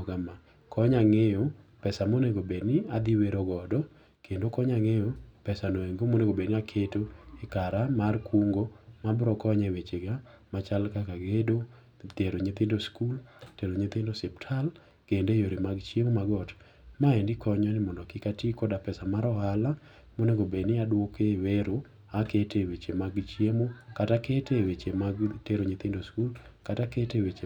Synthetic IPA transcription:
ɡama | kʰɔɲaŋejopɛsamoneɡobedniad̪ɪweɾɔɡɔdɔ | kʰendokɔɲaŋejopɛsanɔeŋɡomoneɡobeniakʰetoɪkaɾamarkʰuŋɡomabɾɔkɔɲɛwet͡ʃeɡamat͡ʃalkakaɡedo | teɾoɲit̪ɪndoskulteɾoɲit̪ɪndosɛptʰal | kendejoɾimaɡt͡ʃemomaɡɔt | maendɪkɔɲɔnɪmɔndɔkɪkatikɔdapɛsamaɾɔhala | moneɡobenɪadwokeweɾo | aketewet͡ʃemaɡt͡ʃemokataketewet͡ʃemateɾoɲit̪ɪndoskulkataketewet͡ʃe

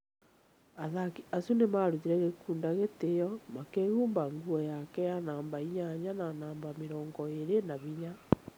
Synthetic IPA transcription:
aðakiasunemaɾutiɾɛɣekuːndaɣetejɔmakeɣuːmbaŋɡuɔjakɛjanaːmbaiɲaɲananaːmbameɾɔːŋɡɔeɾenaβiɲa

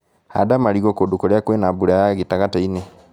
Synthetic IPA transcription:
ha̰damaɾiɣɔkodukoɾeakwenabuɾajaɣitaɣataine

